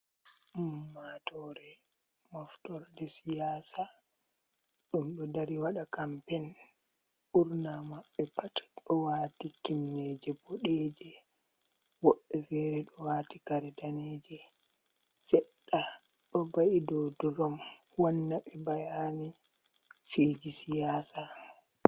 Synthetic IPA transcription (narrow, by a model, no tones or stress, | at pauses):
matʰɔɾɛ | mɔftɔɾdɛsijaːsa | ɗumɗɔdaɾiwaɗakampɛn | ʔuɾnamaɓːɛpatɗɔwaːtikinːɛd͡ʒɛbɔɗɛd͡ʒɛ | wɔɓːɛfɛɾɛɗɔwaːtikaɾɛdanɛd͡ʒɛ | sɛɗːa | ɗɔbaʔidɔduɾɔm | wanːaɓɛbajani | fiːd͡ʒisijaːsa